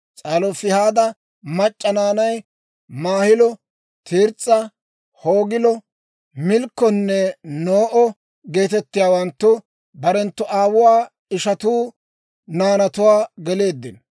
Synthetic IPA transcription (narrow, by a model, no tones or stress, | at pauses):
t͡sʼaːlɔfɪhaːd̪ɐ | mɐt͡ʃʼːɐnaːnɐj | maːhɪlɔ | t̪ʰiːɾt͡sʼːɐ | hoːɡɪlɔ | mɪlkːɔnːɛnoːʔɔ | ɡe̞ːt̪ɛt̪ːɪjaːwɐnt̪ːʊ | bɐɾɛnt̪ːʊʔaːwʊwaː | ɪʃɐt̪uː | naːnɐt̪ʊwaːɡɛle̞ːd̪ːɪn